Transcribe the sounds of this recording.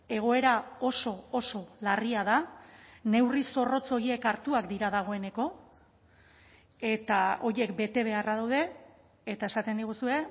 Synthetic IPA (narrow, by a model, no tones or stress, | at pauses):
e̞ɣ̞o̞e̞ɾao̞so̞oso̞lariað̞ane̞wriso̞ro̞t͡so̞ɾie̞kaɾt̪uakd̪iɾað̞aɣ̞o̞e̞ne̞ko̞ | e̞t̪ao̞ɾje̞kbe̞t̪e̞β̞e̞arað̞awð̞e̞ː | t̪ae̞sat̪e̞nd̪iɣ̞usue̞